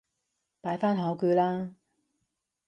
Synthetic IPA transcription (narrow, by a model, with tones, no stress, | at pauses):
paː˨˥jfaː˥nɦɔː˨˥kyː˨˧laː˥